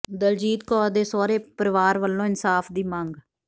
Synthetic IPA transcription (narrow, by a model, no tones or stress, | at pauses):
d̪əld͡ʒiːd̪kɔːd̪eːsɔːɾeːpəɾʋaːɾʋəlːõːɪnsaːfʰd̪iːmə̃ŋɡ